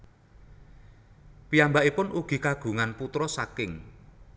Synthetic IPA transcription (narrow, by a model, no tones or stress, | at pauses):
piambaʔipʊnuɡ̥i̤kaɡ̥ṳŋanput̪ɾɔsakɪŋ